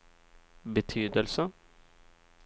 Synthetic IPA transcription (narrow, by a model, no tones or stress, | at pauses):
bət̪ʰyːd̪əlsə